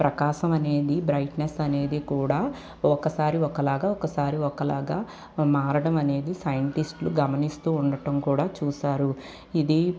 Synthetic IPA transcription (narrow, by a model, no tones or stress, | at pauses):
pɾʔɐkaːʃɐmɐne̞ːd̪ibɾɐjʈnesɐne̞ːd̪ikuːɽaː | ɔkɐsaːɾiɔkɐlaːɡaːɔkɐsaːɾiɔkɐlaːɡaː | maːɾɐɽɐmɐne̞ːd̪isɐjɐɳʈisʈluɡɐmɐnist̪uːɳɖɐʈɐmkuːɽaːt͡ʃuːʃaːɾu | id̪i